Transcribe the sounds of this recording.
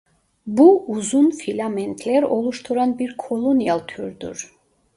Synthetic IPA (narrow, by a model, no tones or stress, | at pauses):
buuzunfilamɛnt̪ʰlɛɾɔlˠuʃt̪ʰuɾanbiɾkʰɔlˠɔnijalˠt̪ʰyɾd̪ṵɾ